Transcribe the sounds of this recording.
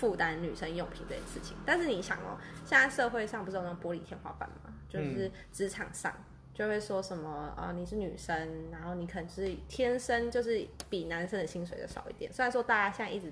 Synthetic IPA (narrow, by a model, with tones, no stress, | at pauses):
fu˥˨˩t̪a˦nny˨˩ʂə˦˥ŋjo˨˩ŋpʰi˧˥ŋt͡sə˥˩ɛ˧˩ʂɻ̩˥˩t͡ɕʰḭ˨˦ŋt̪a˥˧nʂ̩˥˩ni˧˥ɕjɑ̰˨˩ŋɔ̰˨˦ɕjɛ˥˧na˥˧ɪʂɤ˥˧xwe˥˧ɪʂɑ˥˧ŋpu˥˩ɻ̩˥t̪nɑ˥˩ŋpwɔ˧˥li˨˩t̪ʰjɛ˥˧nxwa̰˥˧fa̰˨˩nma̰˨˩t͡ɕjo˥˧ʊʂɻ̩˥˩ | ʈ͡ʂɻ̩˧˥ʈ͡ʂʰɑ̰˨˩ŋʂɑ̰˥˩ŋ | t͡ɕjo˥˧ʊxwe˥˩ɪʂwɔ˥ʂə˨˦nmə˨ə̰˧ni˨˩ʂ̩˥˩ny̰˨˩ʂə˦˥ŋna˧˥nxo˥˩ʊni˧˥kʰə˨˩ə˧˥ʂɻ̩˥˩t̪ʰjɛ˥nʂə˥nt͡ɕjo˥˧ʊʂɻ̩˥˩pi˨˩na˧˥nʂə˥nd̪ə˨ɕi˥ŋs̬we˧ɪd̪ə̰˦ʂɑ̰˨˩ʊḭ˥˩t̪jɛ̰˨˩nse˥˧˥wɔ˥t̪a˥˩t͡ɕja˥ɕjɛ˥˧˥ʔi˥˩ʈ͡ʂɻ̩˧˩